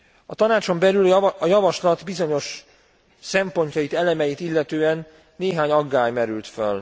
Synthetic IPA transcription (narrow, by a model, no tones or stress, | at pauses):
ɒt̪ɒnaːt͡ʃo̞mbɛlylɒjɒvɒʃlɒt̪bizo̞ɲo̞ʃ | sɛmpo̞ɲcɒjit̪ɛlɛmɛjit̪ilːɛt̪øːɛnː | eːɦaːɲɒɡːaːjmɛɾylt̪føl